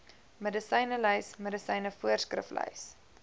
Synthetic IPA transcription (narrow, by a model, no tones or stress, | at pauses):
mədəsəjnəlœjsmədəsɐjnəfuərskrə̰flœ̰ɥs